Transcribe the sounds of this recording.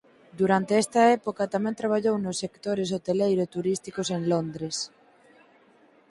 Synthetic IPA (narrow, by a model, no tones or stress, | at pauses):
d̪uɾant̪eɛst̪ɐɛpokɐt̪amɛ̃nt̪ɾaβ̞aʎownʊsːekt̪oɾes̬ot̪elejɾot̪uɾist̪ikoseŋlond̪ɾes